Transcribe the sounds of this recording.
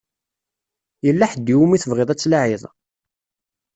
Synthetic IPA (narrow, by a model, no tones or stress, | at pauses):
jəlːaħəd̪ːiwumiθəvʁɪðˤæt͡sːlaʕɪðˤ